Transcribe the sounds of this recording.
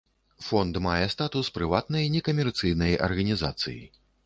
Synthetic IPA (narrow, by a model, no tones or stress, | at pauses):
fɔnd̪majɛst̪at̪uspɾɨvat̪nɐjnʲɛkɐmʲɛrt̪sɨjnɐjʔɐ̰rɣɐnʲiza̰t̪sɨ̰jḭ